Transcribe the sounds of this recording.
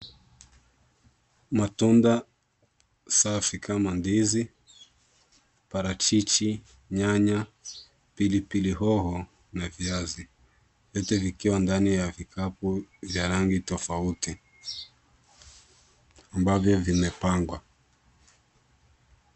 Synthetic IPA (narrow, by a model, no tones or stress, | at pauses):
matunda | safikʰamandizi | paɾat͡ʃit͡ʃi | ɲaɲa | pilipiliɦɔhɔ | naviazi | vjɔtɛvikiwandanijavikʰapuvjaɾaŋɡitɔfauti | ambavjɔvimɛpaŋɡwa